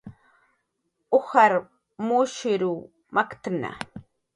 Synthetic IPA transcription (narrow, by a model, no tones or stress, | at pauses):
ʊxaɾ | muʃɪɾu | makt̪na̰